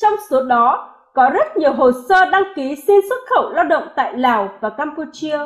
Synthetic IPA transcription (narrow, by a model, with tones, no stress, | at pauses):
t͡ɕɔ˧wŋ͡mso˨˦ɗɔ˨˦ | kɔ˨˦zə˦˥t̚ɲi˨˩əwɦo˨˩səː˧ɗa˧ŋki˨˦si˧nswə˦˥t̚xə̰˧˩wlaː˧wɗə̰˧˨wŋ͡mt̪a̰ː˧˨jlaː˨˩wvaː˨˩kaː˧mpu˧t͡ɕi˧ə